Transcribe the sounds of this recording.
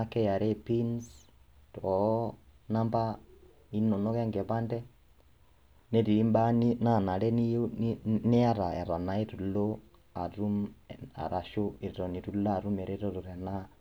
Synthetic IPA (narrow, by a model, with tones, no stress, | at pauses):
a˦kɛ˦ja˨ɾɛ˦˨pi˦ns | tɔ˨˦na˦mba˦ | i˦nɔ˨nɔ˦kɛ˦ŋɡɛ˨βa˦ndɛ˦ | ne˦ti˨ɾi˦mba˦ni˦na˦˨na˨ɾɛ˦ni˦ne˦a˦ɾa˨ɛ̰˨ɾa˨na˨e˦tu˨lo˦ | a˨ɾu˦ma̰˨ɾa˨ʃo˦i˨ɾɔ˨ni˨tu˨la˦a˨ɾu˦mɛ˨ɾʔe˦ɾɔ˦ɾu˨ɾɛ˨na˦